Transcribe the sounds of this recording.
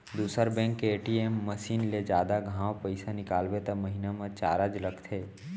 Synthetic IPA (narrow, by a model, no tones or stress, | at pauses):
d̪uːsəɾbɛ̃ːŋkːeːʈiemːəʃiːnled͡ʒjaːd̪aɡʱãːwpəɪsanɪkaːlbet̪əməɦinamãt͡ʃaːɾad͡ʒləkt̪ʰeː